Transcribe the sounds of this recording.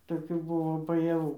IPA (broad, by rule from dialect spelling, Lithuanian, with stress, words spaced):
toːˈkʲuː ˈbʊʋoː bɐjɛˈʋuː